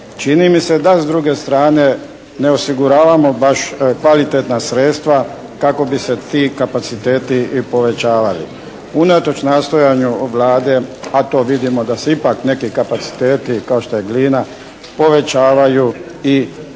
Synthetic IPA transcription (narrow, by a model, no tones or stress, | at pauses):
t͡ʃinimise̞d̪azd̪ɾuɡe̞st̪ɾaːne̞ | neosiɡuɾaːʋamo̞baʃkʋalit̪et̪nasɾet̪st̪ʋa | kako̞bise̞t̪iːkapat̪sit̪e̞ːt̪ipo̞ʋe̞t͡ɕaːʋalḭ | unat̪o̞t͡ʃnaːst̪o̞jaɲuʋlaːd̪e̞at̪o̞ːʋid̪imo̞d̪aseipakne̞kikapat̪si̥t̪eːt̪ikaoʃt̪o̞jeɡliːna | po̞ʋe̞t͡ɕaːʋajui